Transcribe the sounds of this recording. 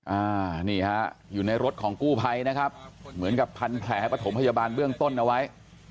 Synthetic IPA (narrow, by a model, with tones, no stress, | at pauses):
ʔaː˧˩niː˥˩ha˦˥juː˨˩na˧jɾo˦˥t̪̚kʰɔː˩˦ŋkuː˥˩pʰa˧jna˦˥kʰa˦˥p̚mɯ˩˦nka˨˩pʰːa˧npʰlɛː˨˩ha˥˩pɾa˧t̪ʰo˩˦mpʰa˧jaː˧baː˧nbɯ˥˩əŋt̪o˥˩nʔa˧wa˦˥j